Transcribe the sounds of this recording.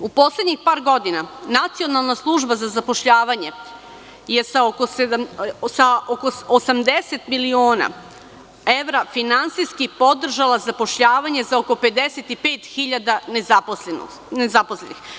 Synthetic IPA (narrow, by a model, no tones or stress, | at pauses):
upo̞sled̪ɲixpaːɾɡo̞d̪inanat̪sio̞nalˠnaslˠuʒbazazapo̞ʃʎaːʋaɲe̞ | jesaokosed̪asaokoosamd̪eset̪milioːna̰ | eʋɾafinansijskipo̞d̪r̩ʒalˠazapo̞ʃʎaːʋaɲe̞zaoko̞pe̞d̪eset̪ipeːt̪xiʎad̪anezapoen̰ | nezapo̞slenix